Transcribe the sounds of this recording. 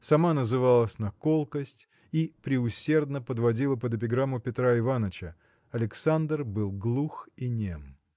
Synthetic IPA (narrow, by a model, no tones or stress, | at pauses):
sɐmanəzɨvalˠəsʲnɐkolˠkəsʲtʲ | ipɾʲɪʊsʲerd̪nəpəd̪vɐdʲilˠəpəd̪əp̬ʲɪɡɾamːʊpʲɪt̪ɾaɪvanət͡ɕə | ɐlʲɪksand̪rbɨlˠɡlˠuxinʲḛm